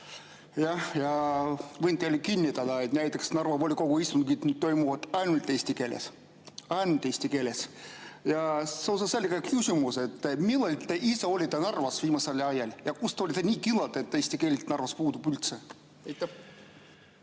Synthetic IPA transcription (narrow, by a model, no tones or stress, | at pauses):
jɑhjɑvɤjnt̪elikinʲːit̪ɑd̪ɑet̪næjt̪ːˑeksnɑrvɑpolʲiko̞ɡ̥uist̪unkit̪nyt̪t̪o̞jmuvɑt̪ɑjnult̪ːˑeːsʲt̪ike̞ːlḛs | ɑjnut̪eːsʲt̪ʲike̞ːlesjɑseos̬ɑselʲːkɑkysʲimuse̞t̪ːmilːelʲt̪ːeʔiseo̞lʲit̪enɑrvɑsviːmɑselɑjɑlʲjɑkust̪eolʲit̪enʲiːkilːɑt̪et̪ːeːsʲt̪ʲikeːlʲit̪nɑrvɑspuːd̪ubylt̪se | ejt̪ːˑæ